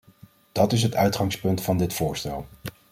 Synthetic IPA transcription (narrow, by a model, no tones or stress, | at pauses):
d̥ɑtɪs̬ɦətœɥtχɑŋspɵntfɑndɪtfʊːɹstɛlˠ